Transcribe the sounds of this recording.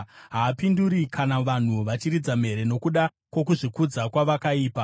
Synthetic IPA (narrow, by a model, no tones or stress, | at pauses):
ɦaːpinduɾikʰanaʋan̤uʋat͡ʃiɾid͡zam̤e̞ɾe̞no̞kuɗa | kwo̞k̬uʐikud͡zakwaʋakaiːpa